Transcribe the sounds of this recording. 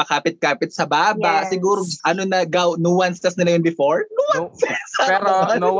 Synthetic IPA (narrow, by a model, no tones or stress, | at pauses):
pɐkaːpɪt̪̚kaːpɪt̪̚sɐbaːbasɪɡuːɾoʔɐnonɐɡawnuwɐnst̪ɐsnɐlɐjonbɪfoɹnuwɐssaɛɾɐ